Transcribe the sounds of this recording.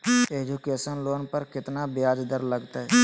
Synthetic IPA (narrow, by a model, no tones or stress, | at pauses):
eːd͡ʒukeːsənloːnpəɾkɪt̪nabjaːd͡ʒd̪əɾləɡt̪aɦɛ